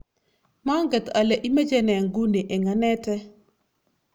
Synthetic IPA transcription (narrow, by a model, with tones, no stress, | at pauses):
ma˦ŋɡɛ˨t̪a˨lɛ˨ʔi˦me˦d͡ʒɛ˦nɛ˨ŋɡu˦ni˨ʔɛ˨ŋa˨nɛ˦tɛ˦